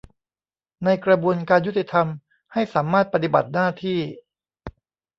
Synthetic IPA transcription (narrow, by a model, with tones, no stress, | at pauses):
na˧jkɾa˧bu˧ənkaː˧njːu˥t̪ːi˨˩t̪ʰa˧m | ha˥˩jsaː˩˦maː˥˩t̪̚pa˧t̪i˨˩ba̰˨˩t̪̚naː˥˩t̪ʰiː˥˩